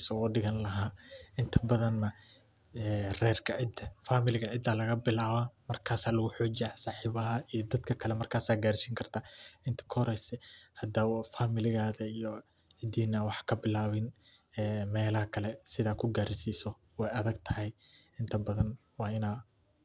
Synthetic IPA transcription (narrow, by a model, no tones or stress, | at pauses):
sɔːɖɪɣɐnlɐɦaːɪnt̪ʰɐbɐðɐnːɐ | ɛrɛːrkʰɐʕɪd̪ɐfaːmɪlɪɣɐʕɪd̪ːaːlɐɣɐbɪlaːβɐmɐrkʰaːsaːlɐɣʊħɔːd͡ʒɪaːsaːħiːβɐɦɐʔijɔd̪ɐd̪kʰɐkʰɐlɛmɐrkʰaːsaːɡaːrsiːŋkʰɐrt̪ʰaːɪnt̪ʰɐ̥kʰhɾɛjsɛhɐd̪awfaːmɪlɪɣaːðɐijɔ | ʕɪd̪iːnɐwɑħkʰɐbɪlaːβɪnɛːmɛːlɐhɐkʰɐlɛsɪðaːd̪̚kʰʊɡaːɾsiːsɔ | wɛjɐðɐɡ̚t̪ʰɐɦɛjɪnt̪ʰɐbɐðɐn | wɑːɪnaː